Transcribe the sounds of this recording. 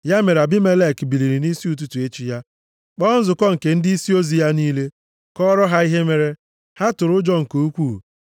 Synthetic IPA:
ja˦me˨ɾa˨bɪ˦me˦le˦˨kbi˨li˨ɾi˨ni˦si˦u˨t̬u˦tu˨e˦t͡ʃi˦ja˦ | k͡pɔ˦n̩˦zʊ˨kɔ˦ŋ̩˨ke˨n̩˦di˦i˦si˦o˦zi˨ja˦niː˦le˦ | kɔ˦ɾɔ˦ɦa˦i˦ɦe˦me˦ɾe˦ | ha˦tʊ˨ɾʊ˦d͡ʒɔ˦ŋ̩˨ko˨u˦kʷuː˦˨

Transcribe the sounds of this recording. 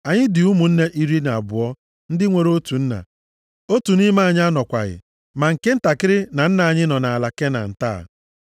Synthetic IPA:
a˨ɲɪ˦dɪ˨u˦mu˨n̩˦ne˦ʔi˦ɾi˦na˨a˨bʊ̰˨ɔ˦ | n̩˦dɪ˦ŋʷe˨ɾo˦tu˨n̩˦na̰˨ | o˦tu˨ni˦ma˦a˨ɲ˦a˦nɔ˨kʷa̰˨ɣɪ̰˨ | ma˨ŋ̩˨ke˦n̩˦ta˨kɪ˦ɾɪ˦na˨n̩˦na˨a˨ɲɪ˦nɔ˨na˨a˨la˨ke˦na̰˨n̩˨ta̰ː˦˨

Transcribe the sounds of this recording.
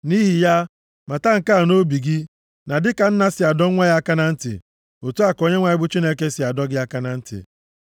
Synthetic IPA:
ni˦ɦi˨ja˦ | ma˨ta˦ŋ̩˨ka˦˨no˦bi˨ɡɪ˦ | na˨dɪ˦ka˨n̩˦na˦sɪ˨a˨dɔ˦ŋʷa˦ja˦ka˦na˦n̩˦tɪ̰˨ | o˨tu˦a˨ko˨ɲe˦ŋʷa˨˦ɪ˦bʊ˦t͡ʃi˦ne˦ke˦sɪ˨a˨dɔ˦ɡɪ˦a˦ka˦na˨n̩˦tɪ̰˨

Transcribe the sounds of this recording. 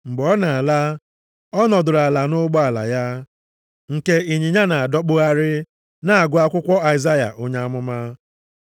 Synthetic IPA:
ŋ͡m̩˨ɡ͡bɔ˦na˨a˨la˦ | ɔ˦nɔ˨dʊ˨ɾa˨la˨nʊ˦ɡ͡bɔ˦a˨la̰˨ja˦ | ŋ̩˨ke˦i˨ɲi˨ɲa˦na˨a˨dɔ˦k͡pʊ˦a˦ɾɪ˦ | na˨a˨ɡʷʊ˦a˦kʷʊ˦kʷɔ˦a˨ɪ˨za˦ja̰˨ʔo˦ɲa˦a˦mʊ˦ma˦

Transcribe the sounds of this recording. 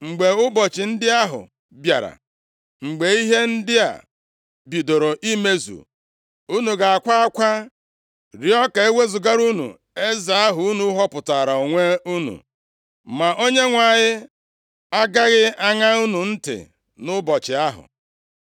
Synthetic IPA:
ŋ͡m̩˨ɡ͡be˨ʊ˦bɔ˨t͡ʃɪ˨n̩˦dɪ˦a˦ɦʊ̰˨ | bja̰˨ɾa̰˨ | ŋ͡m̩˨ɡ͡be˨i˦ɦe˦n̩˦dɪ˦a̰˨ | bi˨do˨ɾo˨ʔi˦me˦zṵ˨ | u˦nu˨ɡa˨a˨kʷa˦a˦kʷa˦ | ɾi˨ɔ˦ke˨e˦wʷe˦zʊ˨ɡa˦ɾu˦nṵ˨ | e˦za˨a˦ɦʊ˨u˦nu˨˦ɦɔ˦pʊ˨ta˨ɾa˨o˨ŋʷe˦u˦nṵ˨ | ma˨ʔo˦ɲe˦ŋʷa˨ɲɪ˦ | a˦ɡa˦ɣɪ˦a˦ŋa˦u˦nu˨n̩˦tɪ̰˨ | nʊ˦bɔ˨t͡ʃɪ˨a˦ɦʊ̰˨

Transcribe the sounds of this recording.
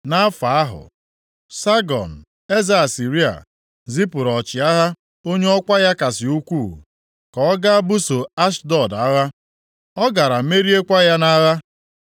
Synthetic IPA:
na˦fa˨a˦ɦʊ̰˨ | sa˦ɡɔ̰˨n̩˨ | e˦za˨si˨ɾi˦a̰˨ | zi˦pʊ˨ɾɔ˨t͡ʃɪ˨a˦ɦa˦ | o˦ɲe˦ɔ˦kʷa˦ja˦ka˨sɪ˨u˦kʷu˦˨ | kɔ˨ɔ˦ɡa˦a˦bʊ˦so˨a˦ʃdɔ˦˨da˨˦ɣa˦ | ɔ˦ɡa˨ɾa˨me˦ɾi˦e˦kʷa˦ja˦na˦ɣa˦

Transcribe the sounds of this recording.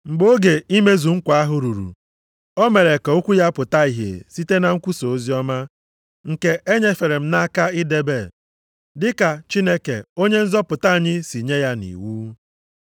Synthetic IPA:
ŋ͡m̩˨ɡ͡bo˦ɡe˨i˦me˦zu˨ŋ̩˦kʷa˨a˦ɦʊ˨ɾu˨ɾṵ˨ | ɔ˦me˨ɾe˨ka˨o˦kʷu˦ja˦pʊ˨ta˦i˨ɦḛ˨si˦te˦na˨ŋ̩˦kʷu˦so˨o˦zi˦ɔ˦ma˦ | ŋ̩˨ke˨e˦ɲe˦fe˨ɾe˨m̩˦na˦ka˦ɪ˦de˦be˦˨ | dɪ˦ka˨t͡ʃi˦ne˦kḛ˨o˦ɲe˦n̩˦zɔ˦pʊ˨ta˦a˨ɲɪ˦si˨ɲe˦ja˦nḭ˨wuː˦

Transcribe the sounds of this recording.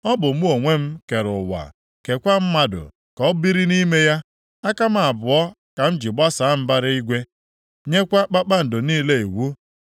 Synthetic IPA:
ɔ˦bʊ˨m̩˦o˨ŋʷe˦m̩˦ke˨ɾʊ̰˨wa̰˨ | ke˨kʷa˦m̩˦ma˦dʊ̰˨ | kɔ˨˦bi˦ɾi˦ni˦me˦ja˦ | a˦ka˦m˦a˨bʊ˨ɔ˦ | ka˨m̩˦d͡ʒi˨ɡ͡ba˦sa˨˦m̩˦ba˦ɾɪ˦i˦ɡʷe˦ | ɲe˦kʷa˦k͡pa˦k͡pa˦n̩˨do˨niː˦le˦e˨wu˦

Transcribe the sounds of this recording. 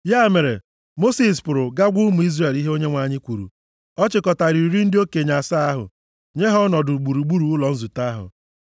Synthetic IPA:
ja˦˨me˨ɾḛ˨ | mo˦si˨spʊ˨ɾʊ˨ɡa˦ɡʷu˦mu˨i˦zre˨li˦ɦe˦o˦ɲe˦ŋʷa˨ɲɪ˦kʷu˨ɾṵ˨ | ɔ˦t͡ʃɪ˨kɔ˨ta˨ɾi˨ɾi˦n̩˦dɪ˦o˦ke˨ɲa˨sa˦a˦ɦʊ̰˨ | ɲe˦ɦɔ˦nɔ˨dʊ˨ɡ͡bu˨ɾu˨ɡ͡bu˦ɾu˨ʊ˦lɔ˨n̩˦zu˨ta˦ɦʊ̰˨

